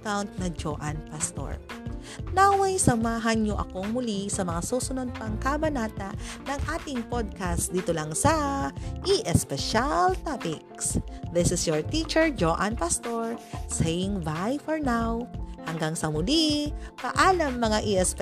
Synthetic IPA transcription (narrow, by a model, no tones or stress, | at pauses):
kawnt̪̚nɐd͡ʒoʔanpɐst̪o̰ɹ | nawɐjsɐmaːɦɐnɲoʔɐ̰koŋmʊlisɐmɐŋasusʊnod̪̚pɐŋkabɐnaːt̪ɐʔnɐŋʔaːt̪ɪŋpod̪̚kasd̪iːt̪olɐŋsɐʔiʔɛspɛʃalt̪apɪk̚sðɪsɪsjɔɹt̪it͡ʃɛɹd͡ʒoʔɐnpɐst̪oɹsɛjɪŋvajfɔɹnawhɐŋɡaŋsɐmʊlipɐʔaːlɐmːɐŋaʔiʔɛsp